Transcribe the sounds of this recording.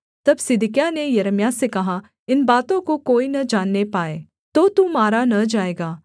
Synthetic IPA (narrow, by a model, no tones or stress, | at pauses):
t̪ɐbsɪd̪ɪkjanejɐɾəmjasekɐɦa | ɪnbaːt̪õkokoːinɐd͡ʒaːnːepaːeː | t̪ot̪umaːɾanɐd͡ʒaːeːɡaː